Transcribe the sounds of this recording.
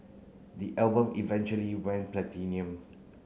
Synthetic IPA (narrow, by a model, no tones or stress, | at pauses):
diʔɛlbə̃mivɛ̃nt͡ʃuəliwɛ̃nplɛtʰĩniə̃m